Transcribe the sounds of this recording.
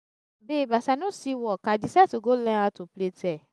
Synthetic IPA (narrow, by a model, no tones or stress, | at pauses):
bebasanũsiwɔkadisɛtoɡolɛ̃ãtopletɛ